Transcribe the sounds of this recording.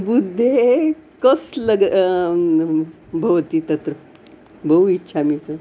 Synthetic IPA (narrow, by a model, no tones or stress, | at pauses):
bud̪ʱːekəsləɡ | bʱəʋt̪iːt̪ət̪ɾə | bʱəuitːɕʰamiːt̪ə